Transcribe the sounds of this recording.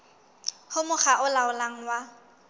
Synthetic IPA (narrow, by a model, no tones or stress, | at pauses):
hʊmʊχaʔʊlaʊlaŋ̩wa